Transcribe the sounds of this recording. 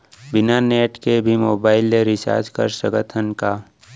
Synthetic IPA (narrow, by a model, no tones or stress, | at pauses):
bɪnaneːʈkebʱimoːbaːɪlːeɾɪsa̰ːd͡ʒkə̰ɾsɾəɡət̪ʰənka